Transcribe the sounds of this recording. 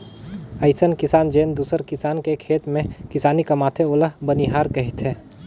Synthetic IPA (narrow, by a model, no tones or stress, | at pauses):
ɐɪsənkɪsaːnd͡ʒeːnd̪uːsəɾkɪsaːnkekʰeːt̪mẽkɪsaːnikɐmaːt̪ʰeoːləɦbəniɦaːɾkɐɦɪt̪ɦɛː